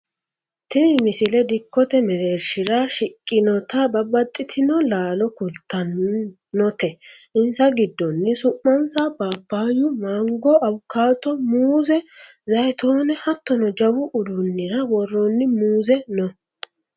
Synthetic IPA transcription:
t̪ɪmɪsɪlɛd̪ɪkːɔt̪ɛmɛɾeːɾʃɪɾaʃɪkʼːɪnɔt̪ɐbɐbɐt̪ʼːɪt̪ʰɪnɔlaːlɔkʊlt̪ːɐnː | ɔt̪ɛʔɪnsɐɡɪd̪ːɔnːɪsʊmːɐnsabaːpːaːjʊmaːŋɡɔɐwʊkːaːt̪ɔmuːzɛzɐjt̪ʰoːnɛhɐt̪ːɔnɔd͡ʒɐwʊʔʊd̪ʊnːɪɾɐwɔrːɔnːɪmuːzɛnɔ

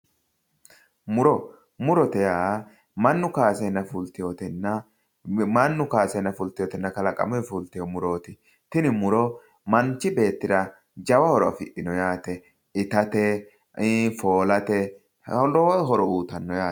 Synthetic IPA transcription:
mʊɾɔ | mʊɾɔt̪ɛjaː | mɐnːʊkaːsɛjnːɐfʊlt̪ɪjoːt̪ɪnːɐ | mɐnːʊkaːsɛjnːɐfʊlt̪ɪjɔːt̪ɪnːɐkɐlɐkʼɐ̰mɔɛfult̪ɪjɔmʊɾoːt̪ɪ | t̪ɪnɪmʊɾɔ | mɐnt͡ʃːɪbe̞ːt̪ːɪd̪ɐ | d͡ʒɐwɐhɔɾɔɐ̰fɪʔɪnɔjaːt̪ɛ | ɪt̪ɐt̪ɛ | foːlɐt̪ɛ | ɔɦɔɾɔuːt̪ɐnːɔjaː

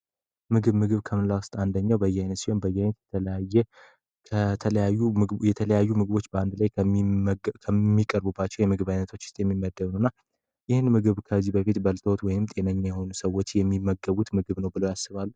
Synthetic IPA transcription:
mɨɡɨβmɨɡɨβkʰəmɨlawʊst̪ʼand̪əɲːawbəjɛajnət̪siho̞nbəjːajnət̪jɛt̪ʰələjajːɛ | kʰət̪ʰələjajːuɨjɛt̪ʰələjajːumɨɡɨβo̞t͡ʃːbəand̪laj | kʰəmːikʼəɾbubːat͡ʃːɛwjɛmɨɡɨβajnət̪ʰo̞t͡ʃːɪst̪ʼjɛmːimːəd̪ːənəwnːa | jɪhɨnmɨɡɨβkʰəzːibəfit̪bəlt̪ʰəwot̪wɔjɪmt̪ʼenəɲːajɛho̞nusəwːot͡ʃːjɛmːimːəɡəβut̪mɨɡɨβnəwbɨləwjasːɨβalːu

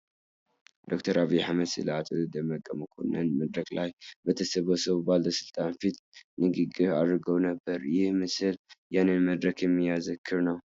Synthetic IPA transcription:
d̪o̞kt̪ʰɐɾaβijħamɐd̪sɨ̰lat̪ʼɨzɨd̪ɐmɐkʼːɐmɨkʰo̰nɐnmɐd̪ɾɐklajbet̪ʰɐsɐβosɐβbald̪ɐsɨlt̪ʼanfit̪ | nɨɡɨɡɨaɾɨɡɐwnɐbːɐɾjɪhmɨsɨljanɨnmɐd̪ɾɐkʰjɛmːɨjazɨkʰːɨɾnɐw

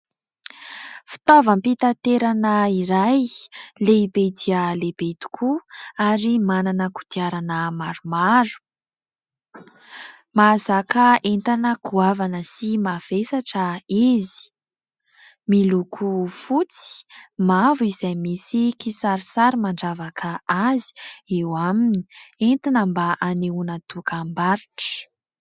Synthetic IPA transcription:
fi̥t̪ovəmpit̪at̪eɾanəiɾajleibed̪ialeb̥ed̪u̥kʰuaɾimananəku̥t̪iaɾanəmaɾumaɾu̥ | mazakəent̪anəkuavanəsimav̥esaʈ͡ʂəizi̥ | milukʰufut͡si̥mavuizajmisikisaɾisaɾimaɳɖ͡ʐavakʰəazi̥ewamini̥ent̪inəmbaʔaneunat̪ukambaɾiʈ͡ʂə̥

